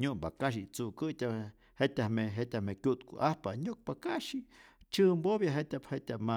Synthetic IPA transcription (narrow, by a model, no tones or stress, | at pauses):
ɲupakaʃ̬it͡sukɨt̪ʲa | het̪ʲameɦet̪ʲamekʲut̪kṵʔahpa̰ɲuk̚pakaʃit͡ʃɨmbobjaɦet̪ʲaphet̪ʲama